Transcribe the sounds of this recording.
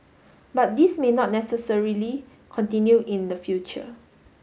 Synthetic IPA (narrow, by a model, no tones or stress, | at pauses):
bat̚dismenɔt̚nɛsəsəɹili | kʰɔ̃ntĩnjuʔĩndəfjut͡ʃə̰